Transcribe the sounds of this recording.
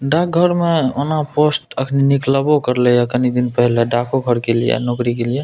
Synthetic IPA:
ɖak̚ɡʱəɾmeonaposʈəkʰninikləbokəɾləjakənid̪inpəɦileɖakoɡʱəɾkelijḛnokɾikelie

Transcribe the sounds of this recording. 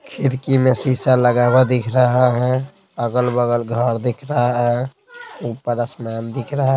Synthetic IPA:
kʰiɾkimesisaləɡabəd̪ikʰɾəɦɛɦɛ̃ | əɡəlbəɡəlɡʱəɾd̪ekʰɾəɦɦɛ̃ | upːəɾəsmand̪ikʰɾəɦ

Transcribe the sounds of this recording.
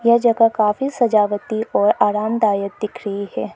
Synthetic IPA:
jɐd͡ʒɐɡakaːfisɐd͡ʒaːʋət̪iʔɔːɾaːɾaːmd̪aːjək̚d̪ɪkɾəihɛː

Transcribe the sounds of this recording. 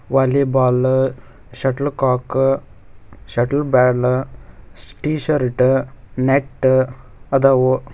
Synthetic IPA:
ʋaːlibaːl | ʃɐʈlkaːk | ʃɐʈlbɛːl | sʈiːʃɐɾʈneʈː | ɐd̪ɐwu

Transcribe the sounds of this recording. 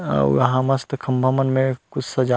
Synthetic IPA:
jɐ̰ɦãmɐst̪kʰɐmbʱəmənmẽkʊt͡ʃʰsɐd͡ʒa

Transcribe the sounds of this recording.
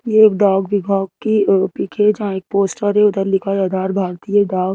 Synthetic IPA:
jeeːkɖaːɡʋɪbʱaːɡ̚kipikʰed͡ʒɦãeːk̚poːsʈəɾẽʊd̪əɾlɪkʰaiaːd̪ʱaːɾbʱaːɾt̪ijəɖaːɡ

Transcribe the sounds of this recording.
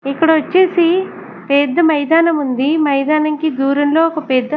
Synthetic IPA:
ikːɐɽɐʋɐt͡ʃːeːsi | ped̪ːɐmɐjd̪aːnɐmund̪imɐjd̪aːnɐŋkid̪uːɾɐnlo̞ːɔkɐpeːd̪ːɐ

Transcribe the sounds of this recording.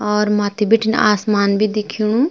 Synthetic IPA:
ɔːɾmaːt̪ibɪʈʰɪn̰aːsmaːnbʱiːd̪ɪkʰːiuɳũː

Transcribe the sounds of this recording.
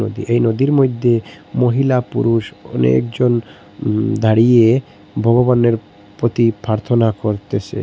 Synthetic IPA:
o̰d̪ḭʔejnod̪iɾmojd̪ʱːemoɦilapṵɾuʃɔ̰nḛkd͡ʑon | d̪ʱaɽie | bʱɔɡobaneɾ | pɾot̪ipɾaɾt̪ʰonakoɾt̪et͡ɕʰḛ

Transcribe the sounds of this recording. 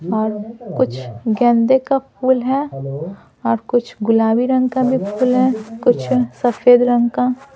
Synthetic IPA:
ɔːɾkʊt͡ʃʰɡɛ̃ːnd̪ekapʰuːlɦɛ | ɔːɾkʊt͡ʃʰɡʊlaːwiɾɐ̃ŋɡkabʱipʰuːlɦɛkʊt͡ʃʰsɐfʰeːd̪ɾə̃ŋɡka

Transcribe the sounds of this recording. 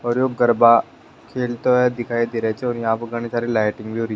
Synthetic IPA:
ɔːɾjoːɡəɾba | kʰeːlt̪oɛd̪ɪkʰaːid̪eːɾəɛt͡ʃʰeɔːɾjɐ̃ɦãpəɡɐɽ̃esaːɾilaːɪʈɪ̃ŋɡbʱioɾi

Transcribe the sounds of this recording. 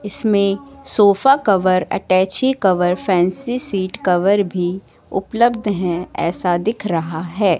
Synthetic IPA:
ɪsmẽsoːfakɐʋəɾɐ̰ʈɛːt͡ʃikɐʋəɾfʰɛ̃ːnsisiːʈkɐʋəɾbʱi | ʊ̰pləbd̪ʱɦɛ̃ɛ̰ːsad̪ɪkʰɾɐɦaɦɛː

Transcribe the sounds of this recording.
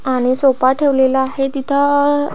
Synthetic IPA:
aɽ̃isopaʈʰeʋlelaaɦet̪it̪ʰa

